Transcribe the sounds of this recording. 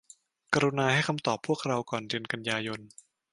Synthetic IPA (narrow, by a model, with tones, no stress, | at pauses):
ka˧ɾu˧naː˧ha˥˩jkʰa˧mt̪ɔː˨˩pʰːu˥˩ək̚ɾa˧wkɔː˨˩nɾɯ˧ənka˧njaː˧jo˧n